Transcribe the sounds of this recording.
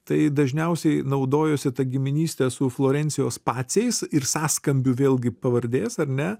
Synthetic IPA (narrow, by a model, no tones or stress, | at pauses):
t̪ɐɪd̪ɐʒʲnʲɛʊsʲɛɪnɐʊd̪oːjoːsʲɪt̪ɐɡʲɪmʲɪnʲiːsʲt̪ʲɛsʊflˠoːɾʲɛnʲsʲɪjoːspɑːt͡s̪ʲɛɪsɪɾsɑːskɐmʲbʲuːʋʲeːlˠɡʲɪpɐʋɐɾʲd̪ʲeːsɐɾʲnʲɛ